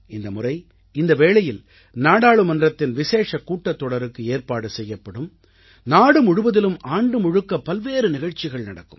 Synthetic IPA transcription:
ɪnd̪ɐmʊrɐɪ | ɪnd̪ɐʋeːɭɐjɪl | naːɽaːɭɯmɐndrɐt̪ːɪnʋɪseːʂɐkːuːʈːɐt̪ːɔɽɐɾɯkːɯeːrpaːɽɯsɛjːɐpːɐɽɯm | naːɽɯmʊɻʊʋɐðɪlɯmaːɳɖɯmʊɻɯkːɐpːɐlʋeːɾɯnɪɣɐɻt͡ʃːɪɣɐɭnɐɽɐkːɯm

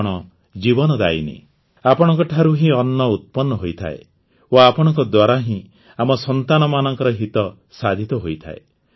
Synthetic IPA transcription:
ɽ̃ɔ | d͡ʒibɔnɔd̪a̰ḭnḛ | apɔɽ̃ɔŋkɔʈʰaɾuɦĩɔnːɔut̪̚pɔnːɔɦojt̪ʰa̰e | oapɔɽ̃ɔŋk̬ɔd̪waɾaɦĩ | amɔsɔnt̪anɔmanɔŋkɔɾɔɦit̪ɔ | sad̪ʱit̪ɔɦojt̪ʰa̰e

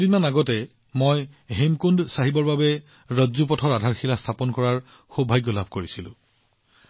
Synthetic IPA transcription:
dinanaɡɔtɛ | mojɦemkundsaɦibɔɹbabɛ | ɹɔzupɔtʰɔɹadʱaɹxʰilastʰapɔnkɔɹaɹ | xobʱajɡɔlabʱkoɹisilʊ̰̃

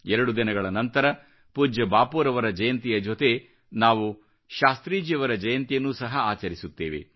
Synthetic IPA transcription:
ɛɾɐɽud̪inɐɡɐɭɐnɐnt̪ɐɾɐ | puːd͡ʒɐbaːpuːɾɐʋɐɾɐd͡ʒɐjɐnt̪ijɐd͡ʒot̪e̞ | naːʋu | ʃaːst̪ɾiːd͡ʒijɐʋɐɾɐd͡ʒɐjɐnt̪ijɐnːuːsɐɦɐaːt͡ʃɐɾisut̪ːḛːʋḛ

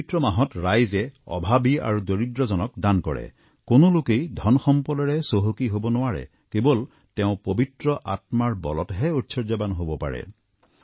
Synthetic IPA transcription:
itɹɔmaɦɔtɹajzɛɔ̰bʱabia̰ɹudoɹidɹɔzɔnɔk̚dankɔ̰ɹɛ̰ | konʊlukejdʱɔnxɔmpɔdɔɹɛsoɦokiɦobɔnʊwaɹɛ̰ | kebɔl | tɛʊ̃pobitɹɔʔat̚maɹbɔ̰lɔtɦɛutsʰɔɹd͡ʒabanɦobɔpa̰ɹɛ̰

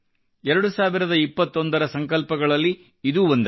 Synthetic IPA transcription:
ɛɾɐɽusaːʋiɾɐd̪ɐipːɐt̪ːo̞nd̪ɐɾɐsɐŋkɐlpɐɡɐɭɐlːiː | d̪uːond̪ɐ

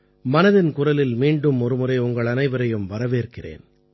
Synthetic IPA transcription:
mɐnɐðɪnkʊrɐlɪlmiːɳɖɯmɔɾɯmɯrɐɪʊŋɡɐɭɐnɐɪʋɐɾɐjɯmʋɐɾɐʋeːrkɪrḛːn

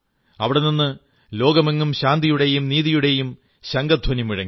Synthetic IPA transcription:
ɐʋiɽeninːɨ | lo̞ːɡɐmeŋːumɕaːnd̪ijuɽe̞jumniːðijuɽe̞jum | ɕɐŋɡɐd̪ʱwɐnimiɻɐ̰ŋːi

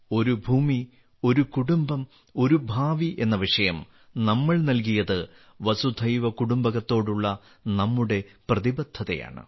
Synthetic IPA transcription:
o̞ɾubʱuːmi | o̞ɾukuɽumbɐm | o̞ɾubʱaːʋiʔe̞nːɐʋiʂɐjɐm | nɐmːɐɭnɐlk̬ijɐðɨ | ʋɐsud̪ʱɐjʋɐkuɽumbɐɣɐt̪ːo̞ːɽuɭːɐ | nɐmːuɽe̞prɐðibɐd̪ʱːɐðɐ̰ja̰ːɳɨ̰

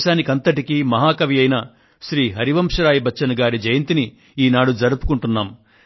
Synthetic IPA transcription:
ʃaːnikɐnt̪ɐʈikimɐɦaːkɐʋijɐjnɐ | ʃɾiːɦɐɾiʋɐmʂɐɾaːjibɐt͡ʃːt͡ʃːʃɐnɐɡaːɾid͡ʒɐjɐnt̪ini | iːnaːɽud͡ʒɐɾupu̥kuɳʈunːaːm

